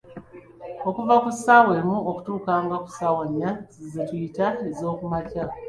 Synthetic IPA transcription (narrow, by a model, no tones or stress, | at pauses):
o̞kuvakusawe̞muoku̥tuːkaːŋɡaku̥sawaɲːazizitujitaezo̞ːkumaca